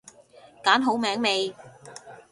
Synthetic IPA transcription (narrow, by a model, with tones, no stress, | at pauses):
kaː˨˥nɦo˨˥wmɛː˨˥ŋme˨˧j